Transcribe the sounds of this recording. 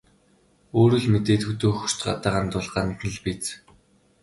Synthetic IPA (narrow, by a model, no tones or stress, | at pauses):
oːɾɵ̆ɮmet̪eːt̪xɵt̪oːxɵ̥r̥t̪ɢa̰t̪aːʁaːnt̪ʊɮɢaə̆nt̪nə̆ɮpit͡s